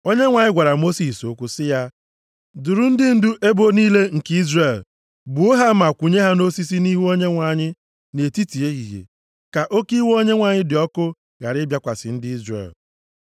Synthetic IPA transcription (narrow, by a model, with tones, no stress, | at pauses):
o˦ɲe˦ŋʷa˨ɲɪ˦ɡʷa˨ɾa˨mo˦si˨so˦kʷʊ˦sɪ˦ja˦ | du˨ɾu˨n̩˦dɪ˦n̩˦du˦ʔe˦bo˦niː˦le˦ŋ̩˨ki˦zre˨l | bu˨o˦ɦa˦ma˨kʷu˨ɲe˦ɦa˦no˦si˦s̬i˦ni˦ɦu˦o˦ɲe˦ŋʷa˨ɲɪ˦ | ne˨ti˦ti˨e˦ɣḭ˨ɣḛ˨ | ka˨ʔo˦ki˦wo˦ɲe˦ŋʷa˨ɲɪ˦dɪ˨ɔ˦kʊ˦ | ɣa̰˨ɾɪ˦bja˦kʷa˨sɪ̰˨n̩˦dɪ˦i˦zrḛ˨l